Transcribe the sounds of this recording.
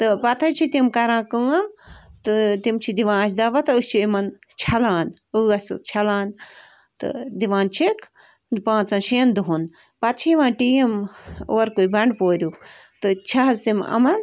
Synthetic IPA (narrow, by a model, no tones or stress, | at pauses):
t̪ɨpɐt̪ʰɐt͡ʃʰit̪imkɐɾãːkɨɐmt̪ɨt̪imt͡ʃʰid̪iʋãːsd̪ɐʋɐt̪ɨɨt͡ʃʰiimɐnt͡ʃʰɐlaːnɨɐst͡ʃʰɐlaːn | t̪ɨ̰d̪iʋaːnt͡ʃʰik | pãːt͡sɐnʃiːnd̪uɦun | pɐt̪̚t͡ʃʰiiʋãːnʈiːɐmo̰ːɾkujbɐɳɖpoːɾʲut̪ɨt͡ʃʰɐɦɐzt̪imɐ̰mɐn